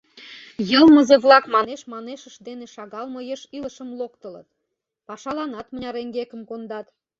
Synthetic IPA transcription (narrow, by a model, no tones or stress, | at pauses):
jəlˠməzeβlˠɑkmɑneʃmɑneʃəʃd̪eneʃɑɣɑlməjeʃiləʃəmlokt̪ələ̰t̪ | pɑʃɑlɑnɑt̪mənʲɑɾeŋɡekəmkond̪ɑt̪